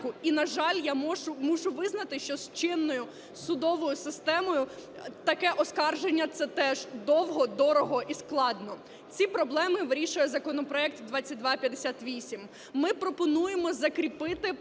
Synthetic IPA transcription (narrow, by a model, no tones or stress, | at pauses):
kʊinɐʒɑlʲjamɔʒʊmuʒʊʋɪznɐt̪ɪʃt͡ʃɔst͡ʃɪnːɔjʊ | sʊd̪ɔʋɔjʊsɪst̪ɛmɔjʊt̪ɐkɛʔɔskɑrʒenʲːɐt̪sɛt̪ɛʒd̪ɔwɦɔd̪ɔɾɔɦɔʔisklˠɑd̪nɔ | t͡sʲipɾɔblˠɛmɪʋɾʲiʃʊjɐzɐkɔnɔpɾɔɛk̚t̪d̪ʋɑt͡sʲːɐt̚ʲd̪ʋɑpʲjɐd̪esʲat̪ʋʲisʲimː | ɪpɾɔpɔnujemɔzɐkɾʲipɪt̪ɪ